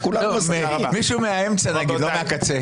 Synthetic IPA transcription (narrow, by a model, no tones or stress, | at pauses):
kullome | miʃumeaemt͡sanɐɡd̪lomeakat͡se